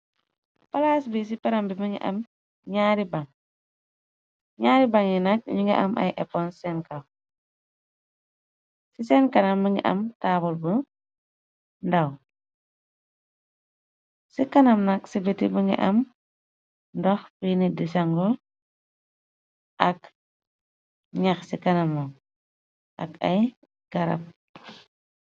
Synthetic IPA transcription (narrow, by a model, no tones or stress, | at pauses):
pɐlaːsbis̬ipɛɾambiməŋɡḭʔɐ̰m | ɲaːɾibaŋ | ɲaːɾibaŋjinɐk̚ɲuŋɡɛ̰ʔɐ̰mʔɐ̰jʔɛpːɔnsɛnkɐw | sisɛnkɐnɐmːəŋɡḭʔɐ̰mtabulbə | ndaw | sikɐnɐmnaksibetḭbəŋɡḭʔɐm | ndɔxpinidisaŋɡɔl | ʔɐk | ɲaxsikɐnamːa | ʔɐ̰kɐj | ɡ̥aɾa̰p̚